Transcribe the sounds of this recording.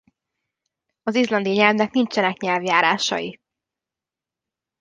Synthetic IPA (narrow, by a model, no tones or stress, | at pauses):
ɒzizlɒnd̪ijɒɲɛlvnɛknint͡ʃɛnɛkɲɛlvjaːɾaːʃɒ̰ji